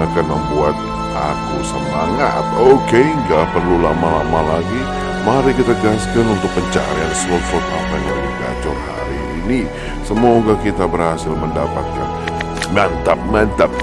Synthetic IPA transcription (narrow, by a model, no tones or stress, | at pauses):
akanməmbuat̪̚ | ʔakusəmaŋa̰t̪̚okeŋɡapərlulamalamalaɡi | maɾikit̪ad͡ʒəaskanunt̪ʊk̚pəɲt͡ʃa̰ɾaansɔt̪sɔt̪apajluɡa̰d͡ʒɔrha̰ɾiːni | səmoɡakit̪abərhasɪlməndapat̪̚ka̰n | mant̪ap̚ŋant̪ap̚